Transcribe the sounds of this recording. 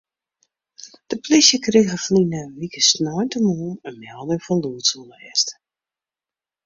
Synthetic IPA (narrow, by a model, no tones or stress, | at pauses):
d̥əplisjəkrɪxəflinəʋikəsnɔːntəmuːnənmɛlˠdəŋfɔnluətsulɛst